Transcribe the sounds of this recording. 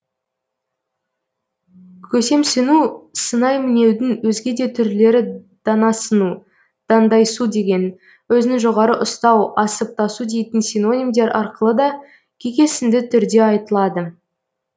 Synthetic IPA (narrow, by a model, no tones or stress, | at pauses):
kʲʰɵse̞msɪnusənɑjmɪne̞wd̪ɪŋwɵzɡʲe̞d̪e̞t̪ʰʏɾle̞ɾɪ | d̪̥ɑnɑsənu | d̪̥ɑnd̪ɑjsud̪e̞ɡʲe̞n | wɵzɪnɪʒoʁɑɾəʔʊst̪ɑwɑsəp̚t̪ɑsud̪e̞jt̪ɪnsino̞nʲimd̪e̞ɾʔɑɾqəlˠəd̪ɑ | kʲʰe̞kʲe̞sɪnd̪ɪt̪ʰʏɾd̪e̞ɑjt̪əlˠɑd̪ə